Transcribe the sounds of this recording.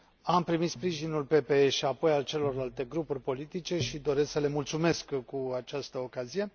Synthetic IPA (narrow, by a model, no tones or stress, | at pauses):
ampɾimit̪spɾiʒinulpe̞pe̞eʃiapo̞jalt͡ʃe̞lo̞rlalt̪e̞ɡɾupurʲpo̞lit̪it͡ʃe̞ʃid̪o̞ɾe̞sksəle̞mult̪sume̞skkːuat͡ʃast̪əokazije̞